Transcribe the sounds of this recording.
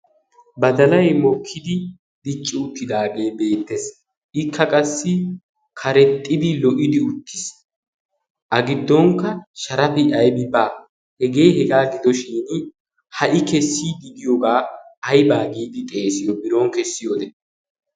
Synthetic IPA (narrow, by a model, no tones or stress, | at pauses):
bɐd̪ɐlɐjmɔkʰːɪd̪ɪ | d̪ɪt͡ʃʼːɪʊt̪ːɪd̪aːɡe̞ːbe̞ːt̪ːɛs | ʔɪkʰːɐkʼɐsːɪ | kʰɐɾɛt̪ʼːɪd̪ɪlɔʔɪd̪ɪʊt̪ːɪ̥s | ʔɐɡɪd̪ːɔŋkːɐʃɐɾɐfɪɐjbɪbaː | hɛɡe̞ːhɛɡaːɡɪd̪ɔʃiːn | hɐʔɪkɛsːiːd̪ɪd̪ɪjɔɡaːɐjbaːɡiːd̪ɪt̪ʼeːsɪjɔbɪɾoŋkɛsːɪjoːd̪ɛ